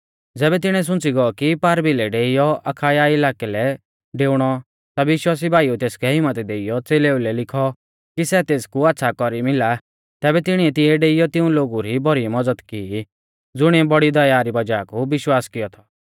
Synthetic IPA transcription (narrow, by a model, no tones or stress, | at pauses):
d͡zɛːbɛt̪ɪɽ̃ɛ̃s̬ʊ̃t͡siɡɔɔkipaːɾbilɛɖeːijɔɐkʰaːiaːɪlaːkɛlɛ | ɖeːʊɽ̃ɔ | t̪aʋɪʃwaːs̬ibʱaːiut̪eːskʰɛɦɪmət̪ɛd̪eːɪjɔt͡seːleːulɛlɪkʰɔ | kisɛt̪eːskuaːt̪ːsʰakɔɾimɪla | t̪ɛːbɛt̪ɪɽ̃iɛt̪ɪɛɖeːɪjɔt̪ɪũloːɡuɾibɔɾimɐd͡zəd̪kiː | d͡zʊɽ̃iɛbɔɽid̪ɐjaːɾibɐd͡ʒaːkubɪʃwaːskɪjɔt̪ʰɔ